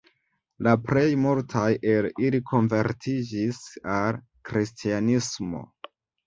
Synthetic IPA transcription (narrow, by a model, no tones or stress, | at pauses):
lapɾe̞jmuɾtʰajʔelilikʰo̞nve̞ɾtʰid͡ʒisal | kɾistʰianismo̰